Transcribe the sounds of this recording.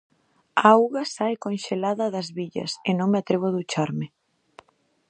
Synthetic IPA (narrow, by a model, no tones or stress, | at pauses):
aawɣɐsajkonʃelaðɐðɐzβiʎɐ̰senõŋmeat̪ɾeβ̞oðut͡ʃaɾmɪ